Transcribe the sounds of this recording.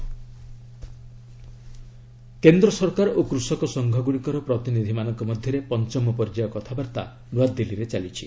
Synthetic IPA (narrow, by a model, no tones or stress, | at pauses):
kend̪ɾɔsɔɾkaɾɔokɾusɔkɔsɔŋɡʱɔɡuɽ̃ikɔɾɔpɾɔt̪inid̪ʱimanɔŋkɔmɔd̪ʱjɔɾepɔnt͡ʃɔmːɔpɔɾd͡ʒajɔkɔt̪ʰabaɾt̪a̰ | luad̪ːeliɾet͡ʃalit͡ʃʰi̥̰